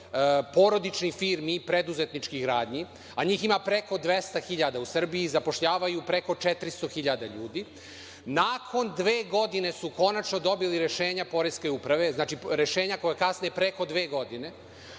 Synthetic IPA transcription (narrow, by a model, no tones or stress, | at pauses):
po̞ɾo̞d̪it͡ʃnifiːɾmipɾe̞d̪uzet̪nit͡ʃkiɡɾaːd̪ɲi | aɲiːximapɾe̞ko̞d̪ʋe̞st̪axiʎad̪ausr̩biːzapo̞ʃʎaːʋajupɾe̞ko̞t͡ʃet̪ɾist̪o̞xiʎad̪aʎuːd̪i | naːkʰo̞nd̪ʋeːɡo̞d̪ine̞suko̞nat͡ʃno̞d̪o̞biliɾe̞ʃeːɲapo̞ɾeskeupɾaʋe̞znaːt͡ʃiɾe̞ʃeːɲako̞jekasniepɾe̞ko̞d̪ʋeːɡo̞d̪ine̞